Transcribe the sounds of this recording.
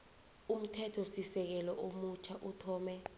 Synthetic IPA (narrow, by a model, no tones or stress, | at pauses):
um̩tʰɛtʰɔsisɛk̬ɛlɔʔomut͡ʃʰaʔutʰɔːmɛ